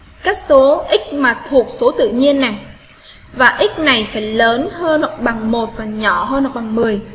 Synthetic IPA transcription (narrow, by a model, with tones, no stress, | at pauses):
kaː˦˥k̚so˨˦ʔï˦˥k̟̚maː˨˩t̪ʰu˨˩ək̚so˨˦t̪ɨ̰˧˨ɲi˧ənːa˨˩j | vaː˨˩ʔï˦˥k̟̚na˨˩jfaː˧˩jləː˨˦nhəː˧nhɔ˨˩k͡p̚ɓa˨˩ŋmo˨˩t̚vaː˨˩ɲɔ˧˩ɦəː˧nhɔ˨˩k͡p̚ɓa˨˩ŋmɨ˨˩əj